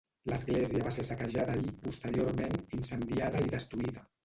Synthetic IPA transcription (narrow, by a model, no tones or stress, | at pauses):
ləzɣlɛziəβasesəkəʒaðəːʎipust̪əɾioɾmeninsənd̪iaðəiðəst̪ɾuiðə